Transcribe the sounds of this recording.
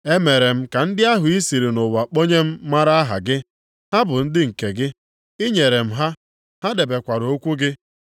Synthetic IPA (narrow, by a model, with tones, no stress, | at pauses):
e˦me˨ɾe˨m̩˦ka˨n̩˦dɪ˦a˦ɦʊ˨i˦si˨ɾi˨no˨wa˨k͡po˦ɲe˦m̩˦ma˦ɾa˦a˦ɦa̰˨ɡɪ˦ | ha˦bʊ˨n̩˦dɪ˦ŋ̩˨ke˨ɡɪ˦ | i˦ɲe˨ɾe˨m̩˦ɦa˦ | ha˦de˨be˨kʷa˨ɾo˦kʷu˦ɡɪ˦